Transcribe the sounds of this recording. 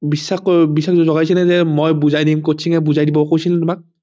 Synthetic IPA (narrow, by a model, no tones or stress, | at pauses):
bisːaxojbisːakzɔzɔɡajsɛnɛzɛmojbuzajdimkotsʰiŋɛbuzajdibɔkojsintʊmak̚